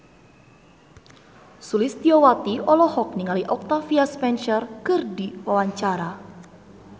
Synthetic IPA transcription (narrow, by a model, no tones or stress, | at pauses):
sulɪst̪iɔwat̪iɔlɔhɔk̚niŋaliʔɔk̚t̪afiaspɛnʃɛrkɨrdiwawaɲt͡ʃaɾa